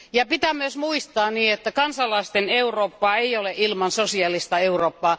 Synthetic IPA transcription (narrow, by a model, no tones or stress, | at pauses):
jɑpit̪æmːøsmuist̪ɑːniːet̪ːækɑnsɑlːˑɑist̪eneuroːpːɑːeioleʔilmɑnsosiɑlːist̪ɑeuroːpːɑː